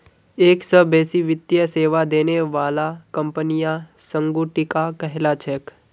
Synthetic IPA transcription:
eːksəbeːsiʋɪt̪jəseːʋad̪eːneʋaːlakəmpənijãsə̃ŋɡuʈɪkakɛɦlat͡ʃʰek

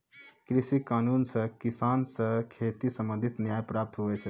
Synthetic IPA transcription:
kɾisikanunsə̃kisansə̃kʰet̪isəmbə̃nd̪ʱit̪njajpɾap̚t̪ɦoʋɛt͡ʃʰɛ

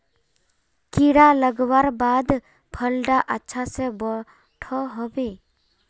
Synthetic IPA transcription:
kiɽaləɡwaɾbad̪ | pʰəlɖaʔətːʃʰasebɔ | ʈʰoɦobe

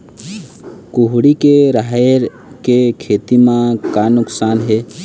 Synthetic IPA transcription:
kʊɦɽikeɾaɦɾ | kekʰeːt̪imãkaːnʊksaːnɦeː

